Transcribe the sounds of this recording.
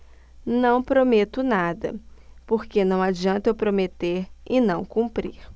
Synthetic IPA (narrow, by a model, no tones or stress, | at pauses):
nɐ̃w̃pɾomet̪ʊnad̪ɐ̰poɾkenɐ̃w̃ad͡ʒiɐ̃nt̪ewpɾomet̪eɾɪnɐ̃w̃kũmpɾiɾ